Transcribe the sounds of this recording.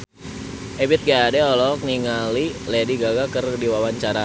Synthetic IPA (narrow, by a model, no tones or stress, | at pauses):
ʔebɪt̪̚ɡaːdɛɔlɔk̚niŋalilɛdiɡaɡakərdiwawaɲt͡ʃaɾa